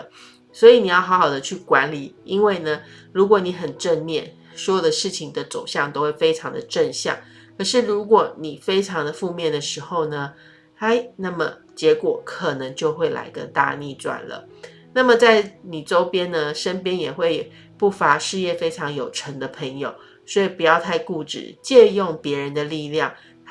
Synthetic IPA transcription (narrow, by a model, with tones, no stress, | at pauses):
swɔ˧˥i˨˦ni˨˩jɑ˥˩ʊxɑ˧˥ʊxɑ˨˩ʊd̪ə˦t͡ɕʰy˥˩kwa˧˦˥nli˨˩˦i˥nwe˥˩ɪnə˩ɻu˧˥kwɔ˧˩˦ni˧˥xə˨˩nʈ͡ʂə˥˧nmjɛ˥˩n | swɔ˧˥jo˨˩d̪ə˦ʂɻ̩˥˩t͡ɕʰi˩ŋd̪ə˦t͡so˨˩ʊɕjɑ˥˩ŋt̪o˥ʊxwe˥˩ɪfe˥ɪʈ͡ʂʰɑ˧˥ŋd̪ə˧ʈ͡ʂə˥˧nɕjɑ̰˥˩ŋ | kʰɤ˨˩ʂɻ̩˥˩ɻu˧˥kwɔ˨˩ni˨˩fe˥ɪʈ͡ʂʰɑ˧˥ŋd̪ə˧fu˥˧mjɛ˥˩nd̪ə˩ʂɻ̩˧˥xo˥˧ʊnə˩ | a˥˩ɪna˥˩mə˩ | t͡ɕjɛ˧˥kwɔ˨˩˦kʰə˨˩nə˧˦ŋt͡ɕjo˥˧ʊxwe˥˩ɪla̰˧˥ɪkə˥nt̪a̰˥˧ni˥˩t͡swa̰˨˩nlə̰˩˦ | na˥˩mə˨t͡sa˥˩ɪni˨˩ʈ͡ʂo˥ʊpjɛ˥nnə˨ʂə˥npjɛ˥njɛ˨˩xwe˥˧ɪ | pu˥˩fa˧˥ʂɻ̩˥˧jɛ˥˩fe˥ɪʈ͡ʂʰɑ˧˥ŋjo˨˩ʊʈ͡ʂʰə˧˥ŋd̪ə˧pʰə˧˥ŋjo˨˩ʊ | swɔ˧˥i˨˩pu˨˩jɑ˥˧ʊt̪ʰa˥˧ɪku˥˧ʈ͡ʂɻ̩̰˥˩t͡ɕjɛ˥˧jʊ˥˩ŋpjɛ˧˥ɻə˧˦nd̪ə˧li˥˧ljɑ˥˩ŋ